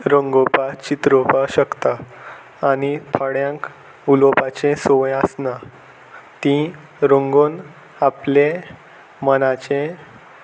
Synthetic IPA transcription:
ɾõŋɡopat͡ɕit̪ɾopaɕəkt̪aː | ñit̪ʰaɽjãŋk | ulopat͡ɕẽsoʋẽəsna | t̪ĩ | ɾõŋɡon | aple | mənat͡ɕẽ

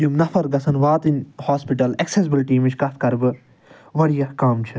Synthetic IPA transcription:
jumnɐfʰɐɾɡɐsɐnʋaːt̪inhaːspiʈɐlɐksesbɨlʈiːmit͡ʃʰkɐt̪ʰkɐɾbɨ | ʋɐɽijɐhkaːmt͡ʃʰɨ

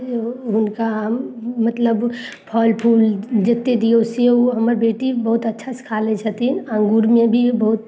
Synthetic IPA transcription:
ɦʊnkaɦmːət̪ləb | pʰɔːlpʰuːld͡ʒet̪ːed̪ioʊsɦəmɾbeːʈibəɦʊt̪ətːʃʰaskʰaːlet͡ʃʰət̪inə̃ŋɡuːɾmẽbʱibəɦʊt̪̚

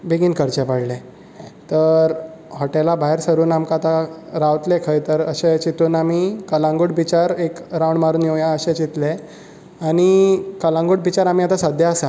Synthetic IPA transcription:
biɡiːnkəɾt͡ɕepaɽle | t̪əɾ | hɔʈelabaɦeɾsəɾuːnamkat̪aɾaʋt̪lekʰəjt̪əɾəɕet͡ɕit̪uːnamiːkəlãŋɡuɽbit͡ɕaɾekɾawɳmaɾuːnjejãəɕẽt͡ɕit̪le | aɽ̃ikəlãŋɡuːɽbit͡ɕaɾam̤iːat̪asad̪ʱjaasa

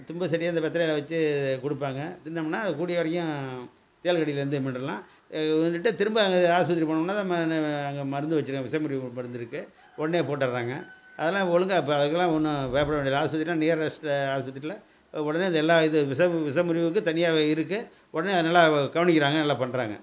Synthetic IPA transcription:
t̪ʊmbɐsɐʈːɪjaːnd̪ɐpɛt̪ːɪɾɐjlɐʋɐt͡ʃːɯkɔɽɯpːaːŋɡɐt̪ɪnːɐmnːaːðɯkuːɽɪjɐʋɐɾɐkːʊ̃ | t̪eːlkɐɽɪjɪlɐɾɯnd̪ɯmɐnɾɐlãː | nɯʈːɯt̪ɪɾɯmbɯɐŋɡɐaːspɐt̪ɪɾipɐɳmnːaːt̪ãːmɐnɐŋɡemɐɾɯnd̪ɯʋɐt͡ʃːɯɾɯŋɡɐʋɪsɐmʊɾɪʋɯmɐɾɯnd̪ɯɾɯkːɯ | ɔɽɐneːpoːʈːɐɾɾaːŋɡɐ̰ | ɐ̰ðɛlːãːɔlɯŋɡapːɐðɯkːɐlːãːɔnːɯpɐjpːɐɽɐʋeːɳɖɪɾlɦaːspɐt̪ːɾilãːniːɐɾɾɛsʈaːspɐt̪ɪɾɪlɐ | ɔɽɐneːðɛlːaːɪðɯʋɪsɐʋɪsɐmʊɾɪʋɯkːɯ̃t̪ɐnɪjaːeɪɾɯkːɯ | ʔɔɽɐneːɐðɯnɐlːaɡɐʋɐnɪk̬ʲːɪɾaːŋɡɐnɐlːaːpɐɳːɾa̰ːŋɡɐ̰

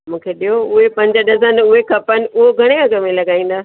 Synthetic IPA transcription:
mũːkʰeɗijoʊɦepɐ̃ɲd͡ʑəɗɐzənʊɦekʰɐpənɪ̆ʊɦoɡʱɐɽ̃ekʰãkɐmẽlɐɡaːĩːn̆d̪aː

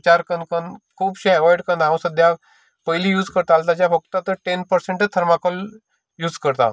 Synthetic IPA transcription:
t͡ɕaɾkənkənkʰuːbɕeɛʋɔjɽkənd̪aʋ̃səd̪ʱja | pəɦjlijuːd͡zkəɾt̪alt̪at͡ɕjafək̚t̪at̪əɾʈenpəɾseɳʈət̪ʰəɾmakəl | juːd͡zkəɾt̪a̰

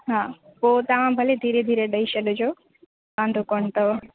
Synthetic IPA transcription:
ɦaːpoːt̪ɐʋ̤ãbʱɐled̪ʱiːɾed̪ʱiːɾeɗɐiʃɐɗod͡ʑoː | kãːnd̪ʱokoːɳt̪ɐʋ

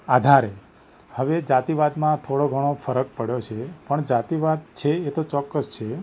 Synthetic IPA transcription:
ad̪ʱaɾe | həʋed͡ʒat̪iʋad̪mãt̪ʰoɽoɡʱəɽ̃ofəɾək̚pəɽjot͡ʃʰepəɳd͡ʒat̪iʋad̪̚t͡ʃʰeːt̪ot͡ʃɔkːəst͡ʃʰe

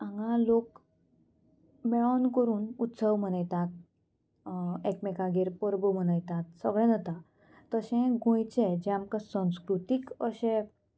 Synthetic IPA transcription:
ãŋɡãlok | mɛɭankəɾuːnut̪səwm̤əñəjt̪at̪̚ | ekmɛkaɡeɾpəɾbəm̤əñəjt̪at̪̚səɡɭɛ̃nət̪ã | t̪əɕɛ̃ɡõjt͡ɕɛd͡ʑɛ̃amkãsə̃w̃skɾut̪ikəɕɛ̃

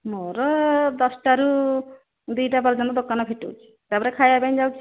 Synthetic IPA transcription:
moɾɔd̪ɔsʈaɾu | d̪ujʈapɔɾd͡ʒɔnɔd̪okanɔpʰeʈṵt͡ʃʰi̥ | t̪apɔɾekʰajabajnd͡ʒawkt͡ʃʰi

